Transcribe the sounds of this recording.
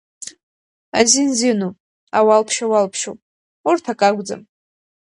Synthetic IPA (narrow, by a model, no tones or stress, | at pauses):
a̰zinzinu | awalpʰʃawalpʰʃo | urtʰakʼaɡʷd͡za̰m